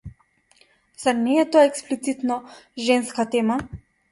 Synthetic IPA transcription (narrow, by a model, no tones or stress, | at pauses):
sanɛɛt̪ɔaɛksplit̪sit̪nɔʒɛnskat̪ɛma